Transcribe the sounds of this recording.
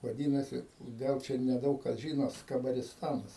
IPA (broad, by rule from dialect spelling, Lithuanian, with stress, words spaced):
ʋɐˈdʲiːnɐsʲɪ ˈɡɐlˠ ˈt͡ʃʲɛ nʲɛˈdɐʊk kɐs ʒʲiːnoː skɐbɐrʲɪsˈtɑːnɐs